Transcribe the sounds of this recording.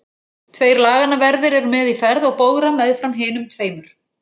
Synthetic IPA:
t̪ʰveːjɾlaːɣanavɛɾðɪɾɛɾʏmɛðifɛɾðɔɣpoːwɣɾamɛðfɾamɦɪːnʏmt̪ʰveːjmʏɾ̥

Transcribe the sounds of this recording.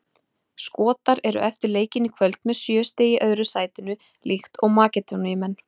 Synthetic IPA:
skɔːt̪aɾɛɾʏ̰ʔɛft̪ɪɾleːjcɪnikʰvœlt̪mɛðsjœːst̪eːjɪʔœːɥɾʏsaːjt̪ɪnʏ | lʔixt̪ɔɣmaːcɪt̪ɔnɪmɛnː

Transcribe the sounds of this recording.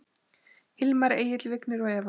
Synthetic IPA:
hɪlmaɾeːjɪt̪lvɪknɪɾɔɣɛːva

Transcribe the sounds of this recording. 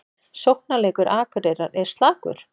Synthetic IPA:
sowh̚nalɛːkʏɾʔaːkʏɾeɾaɾɛɾ̥st̪laːkʏ̰ɾ̥

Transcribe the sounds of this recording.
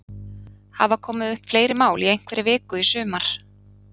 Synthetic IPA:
havakʰɔːmɪðʏhpfleːjɾɪmaːwliejŋ̥kʰvɛɾɪvɪːkʏisʏːmaɾ̥

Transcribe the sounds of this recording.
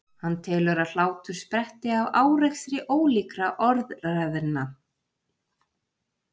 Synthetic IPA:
hanːt̪ʰɛːlʏɾal̥aːwt̪ʏɾ̥spɾɛht̪ɪavaːwrɛxsɾɪʔoːwliːkɾaʔɔɾðrɛvɛɾnːa

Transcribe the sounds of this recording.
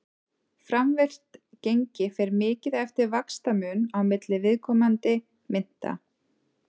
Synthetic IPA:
fɾamvɛr̥t̪ | cejɲcɪfɛɾmɪːcɪðɛft̪ɪɾvakst̪amʏːnawmɪt̪lɪvɪðkʰɔːmant̪ɪ | mɪn̥t̪a̰

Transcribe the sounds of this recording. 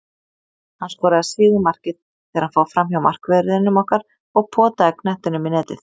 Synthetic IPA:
hanskɔːɾaðasɪːɣɪmar̥cɪð | θɛːaɾhanfaːwfɾamçawmar̥kvɛːɾɪðɪnːʏmɔhkaɾ̥ | ɔɣpʰɔːt̪aðɪknɛht̪ɪnʏminɛːt̪ɪ̰θ

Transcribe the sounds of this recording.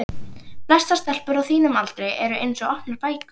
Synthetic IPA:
plɛst̪ast̪ɛl̥pʏɾawθiːnʏmalt̪ɾejɛɾʏʔejnsɔɔhpnaɾ̥paːjkʏ

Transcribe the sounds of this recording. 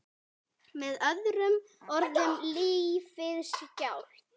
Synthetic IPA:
mɛðœðɾʏm | ɔɾðʏmliːfɪðscawl̥

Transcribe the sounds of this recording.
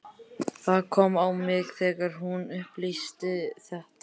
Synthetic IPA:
θaðkʰɔmawmɪɣθɛːɣaɾ̥ɦunʏhplist̪ɪθɛht̪

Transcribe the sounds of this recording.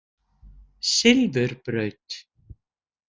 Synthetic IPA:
sɪlvʏɾpɾœɥt̪

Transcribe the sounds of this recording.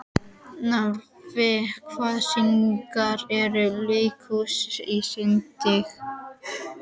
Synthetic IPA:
naɾvɪkʰvasiŋkaɾɛɾʏlekʰusisɪnt̪ɪx

